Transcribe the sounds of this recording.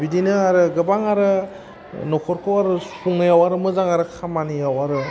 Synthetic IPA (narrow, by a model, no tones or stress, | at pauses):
bidinɯaɾɯɡɯbaŋaɾɯ | nɔkʰɔɾkʰowaɾɯsuŋɯjawaɾɯmɯzaŋaɾɯkʰamanijawaɾɯ